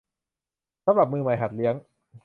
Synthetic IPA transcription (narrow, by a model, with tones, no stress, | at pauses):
sa˧˦mɾa˨˩p̚mɯː˧ma˨˩jɦa˨˩t̪̚li˦˥əŋ